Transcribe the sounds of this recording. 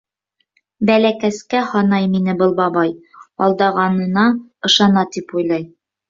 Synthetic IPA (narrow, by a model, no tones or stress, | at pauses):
bælækæskæhɑnɑjminɘbɤlˠbɑbɑjɑlˠd̪ɑʁɑnɤ̆nɑɤ̆ʃɑnɑt̪ipujlˠɑj